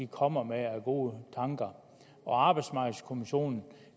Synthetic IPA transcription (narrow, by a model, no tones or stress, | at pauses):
ikʰɒ̽m̰ɐmeæɡ̥o̝ːət͡sʰɑ̈ŋɡ̥ɐ | ɒ̽ɑ̈ːb̥ɑ̈ɪd̥smɑ̈ɡ̥əl̩skʰo̝miɕo̝̰ːnn̩